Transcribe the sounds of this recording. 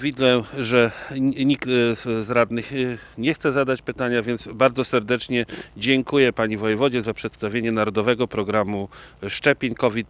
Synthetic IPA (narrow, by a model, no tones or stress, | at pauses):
vʲid̪lɛʐɛɲikt̪zɾad̪nɘxɲɛxt̪sɛzad̪at͡ɕpɘt̪aɲavʲjɛnd̪sbaɾdzɔsɛɾd̪ɛt͡ʂɲɛd͡ʑɛŋkujɛpaɲivɔjɛvɔd͡ʑɛzapʂɛt̪st̪avʲjeɲɛnaɾɔd̪ɔvɛɡɔpɾɔɡɾamuʂt͡ʂɛpʲeɲkɔvʲit̪